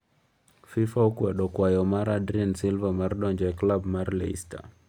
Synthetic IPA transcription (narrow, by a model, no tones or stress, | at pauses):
fifaukwɛɗɔkwajɔmaɾadɾiansilvamaɾɗɔnd͡ʒɛklabmaɾlɛḭsta̰